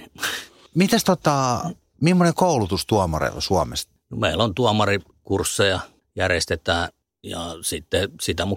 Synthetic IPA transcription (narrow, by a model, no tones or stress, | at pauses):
mit̪æst̪ot̪ɑ | mimːonekoˑulut̪ust̪uɑmɑ̰rḛsuɑmḛst̪nomeilont̪uɑmɑri | kursːejɑ | jærest̪et̪æː | jɑ̰sit̪ːesit̪æmu